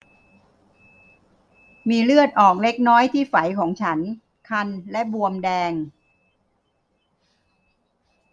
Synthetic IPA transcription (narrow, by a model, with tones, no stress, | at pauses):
miː˧lɯ˥˩ət̪̚ʔɔː˨˩k̚le˦˥k̚nɔː˦˥jt̪ʰiː˥˩fa˩˦jkʰɔː˩˦ŋt͡ɕʰa˦˥n | kʰa˧nlɛ˦˥bu˧əmdɛː˧ŋ